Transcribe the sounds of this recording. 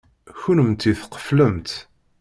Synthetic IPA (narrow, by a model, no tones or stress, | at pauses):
çunəmt̪iθqə̥fləmt̪